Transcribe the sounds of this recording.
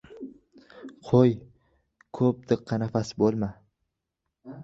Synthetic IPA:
qʰoj | kʰɵp̚d̪ʰɨqʰːɑnafasɪbolˠma

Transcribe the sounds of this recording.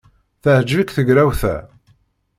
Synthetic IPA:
θəhəd͡ʒvikθəɡɾæwθæ̰

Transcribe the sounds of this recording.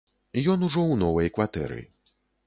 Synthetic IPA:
jɔnuʐɔwnɔvɐjkvat̪ɛ̰ɾɨ̰

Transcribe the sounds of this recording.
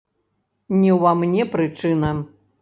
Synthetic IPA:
nʲiwvamnʲɛpɾɨt͡ʂɨnɐ

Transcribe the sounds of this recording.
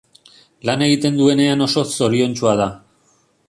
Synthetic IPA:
lane̞ɣ̞it̪e̞nd̪ue̞ne̞ano̞so̞so̞ɾio̞nt͡ʃuað̞a

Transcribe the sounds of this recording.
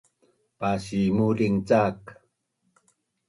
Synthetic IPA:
pasimuɾiŋt͡sak

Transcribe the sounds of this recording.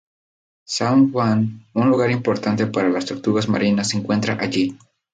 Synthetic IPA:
saŋxwanunluɣaɾimpoɾt̪ant̪e̞paɾalast̪oɾt̪uɣazma̰ɾinasːeŋkwe̞nt̪ɾaʔaʎi

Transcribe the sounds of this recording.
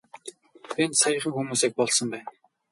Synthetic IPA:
ensajə̆χə̆ŋxumuːseːk̚pɔɮsɞ̆mpæːn

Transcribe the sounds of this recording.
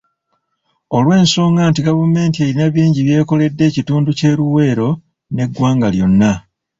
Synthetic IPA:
olwe̞ːnso̞ːŋɡaːntiɡaβume̞ːntieɾinaβiːɲɟiβje̞ːko̞le̞dːe̞ːcituːnduce̞ːɾuwe̞ːɾo̞ | ne̞ɡwaːŋɡaljo̞nːa

